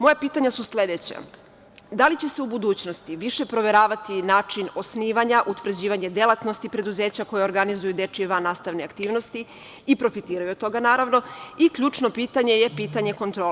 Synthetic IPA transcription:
mo̞japiːt̪aɲasuslʲe̞d̪et͡ɕa̰ | d̪alit͡ɕe̞se̞ubud̪uːt͡ɕno̞st̪iʋiʃe̞pɾo̞ʋe̞ɾaːʋat̪inaːt͡ʂino̞sniːʋaɲaʔut̪ʋr̩d͡ʑiːʋaɲe̞d̪elˠat̪no̞st̪ipɾe̞d̪uze̞ːt͡ɕako̞jeo̞ɾɡanizujud̪e̞t͡ʂieʋanːaːst̪aʋneakt̪iːʋno̞st̪i | ipɾo̞fit̪iːɾajuot̪o̞ɡanaːɾaʋno̞iklʎʲuːt͡ʂno̞piːt̪aɲe̞je̞piːt̪aɲe̞ko̞nt̪ɾo

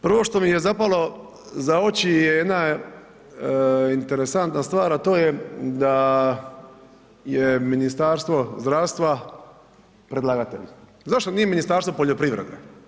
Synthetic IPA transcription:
pr̩ʋo̞ʃt̪o̞mijezapalˠo̞ | zaot͡ɕijejed̪na | int̪eɾesant̪nast̪ʋaːɾat̪o̞ːjed̪a | jeminist̪aɾst̪ʋo̞zd̪ɾaːʋst̪ʋa | pɾe̞d̪laɡat̪ḛʎ | zaʃt̪o̞niːjeminist̪aːɾst̪o̞poʎo̞pɾiʋɾḛd̪ḛ

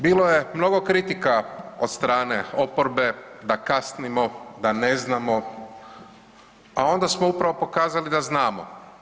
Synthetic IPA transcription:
biːloje̞mno̞ɡo̞kɾit̪ikao̞d̪st̪ɾaːne̞o̞poɾbe̞d̪akasnimo̞d̪ane̞znamo | ao̞nd̪asmoupɾaʋo̞po̞kaːzalid̪aznaːmo̰

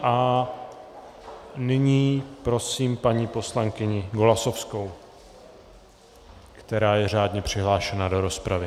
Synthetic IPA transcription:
ʔa | nɪɲiːpɾo̞siːmpaɲiːpo̞slaŋkɪɲɪɡolaso̞fsko̞w | kt̪ɛɾaːjɛr̝aːdɲɛpr̝̥ɪɦlaːʃɛnado̞ɾo̞spɾavɪ

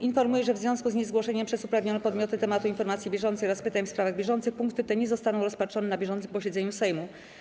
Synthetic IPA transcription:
infɔɾmujɛʐɛvzvjɔ̃w̃skuzɲɛzɡwɔʂɛɲɛmpʂɛsupɾavɲɔnɛpɔd̪mʲɔt̪ɘt̪ɛmat̪uinfɔɾmat̪sʲjibʲjɛʐɔnt̪sjɾaspɘt̪aɲfspɾavaɣbʲjɛʐɔnt̪sɘxpuŋkt̪ɘt̪ɛɲɛzɔst̪anɔ̃w̃ɾɔspatʂɔnɛnabʲjɛʐɔnt̪sɘpɔɕɛd̪zɛɲusɛjmu

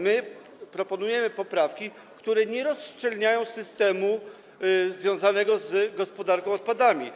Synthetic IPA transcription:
mɘ | pɾɔpɔnujɛmɘpɔpɾafkʲi | kt̪uɾɛɲɛɾɔst͡ʂɛlɲajɔ̃w̃sɘst̪ɛmu | zvʲjɔ̃w̃zanɛɡɔzɡɔspɔd̪aɾkɔ̃w̃ɔt̪̚pad̪amʲi

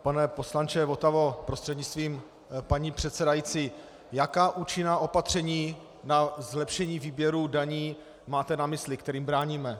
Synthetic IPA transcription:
panɛpo̞slant͡ʃɛvo̞t̪avo̞pɾo̞st̪r̥ɛdɲɪt͡st̪viːm | paɲiːpr̝̥ɛt̪sɛdajit͡si | jakaːʔuːt͡ʃɪnaːʔo̞pat̪r̝̥ɛɲiː | nazlɛpʃɛɲiːviːbjɛɾuːdaɲiː | maːt̪ɛnamɪslɪkt̪ɛɾiːmbɾaːɲiːmɛ

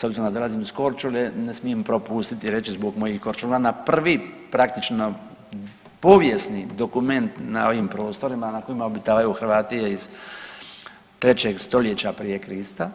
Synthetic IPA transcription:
sabziɾonad̪olazimisko̞ɾt͡ʃulenesmijempɾo̞pust̪it̪iɾe̞t͡ʃizbokmo̞jixko̞ɾt͡ʃulanapr̩ʋipɾakt̪it͡ʃno̞ | po̞ʋje̞snid̪o̞kume̞nt̪na̰o̞ʋimpɾo̞ːst̪o̞ɾimanako̞jimaobit̪aːʋajuxr̩ʋaːt̪ijeiz̥ | t̪ɾe̞t͡ɕeɡst̪o̞ljet͡ɕapɾije̞kɾist̪a

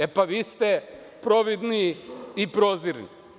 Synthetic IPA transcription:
epaʋiːst̪e | pɾoʋid̪niipɾoziɾnḭ

